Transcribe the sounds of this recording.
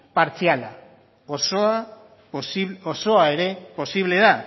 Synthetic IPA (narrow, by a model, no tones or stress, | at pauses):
paɾt͡siala | osoa | sioso̞ae̞ɾe̞po̞siβ̞le̞ða